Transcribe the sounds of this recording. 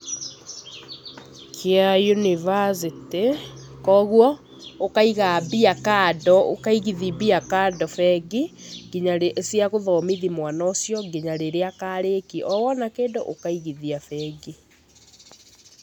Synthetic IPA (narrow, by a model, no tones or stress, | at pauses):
kʰeajunivas̬iti | kɔːɣwɔ | okaiɣaːbiakadɔo̰kaiɣiðibiakaːdɔfɛɡiɡ̥iɲaɾesjaɣoðɔːmiðimwanɔːsjɔɡeɲaɾeɾeakaːɾekiʔɔwɔnakeːdo̰ʔokaiɣiðiafɛɡi